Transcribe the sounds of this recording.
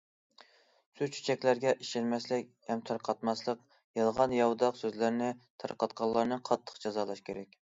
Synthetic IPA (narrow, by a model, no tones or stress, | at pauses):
sut͡ʃʰy̥t͡ʃʰɛkʲlæɾɡʲɛʔiʃɪnmɛslɪk̚ʲhɛmt̪ʰɑɾqʰɑt̪mɑslˠəq | jɑlˠʁɑnjɑwd̪ɑqsøzlæɾnɪt̪ʰɑ̰ɾqɑt̪̚qʰɑlˠːɑɾnɨqʰɑt̪ʰːə̥qd͡ʒɑzɑːlˠɑʃkʲeɾɛk̚ʲ